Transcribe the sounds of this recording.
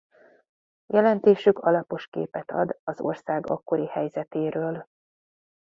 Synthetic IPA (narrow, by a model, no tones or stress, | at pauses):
jʔɛlɛnt̪eːʃykʰɒlɒpo̞ʃkḛːpɛt̪ʰɒ̰d̪ɒzo̞̰rsaːɡɒ̰kːo̞ɾihɛjzɛt̪eːɾøːl